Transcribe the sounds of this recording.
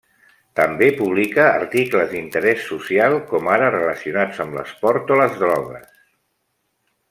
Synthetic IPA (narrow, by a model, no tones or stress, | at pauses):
t̪əmbepuβ̞likəːɾt̪ikləzd̪int̪əɾɛsːusialˠkɔmaɾərələsiunad͡zəmlə̰spɔɾt̪oləzðɾɔɣə̰s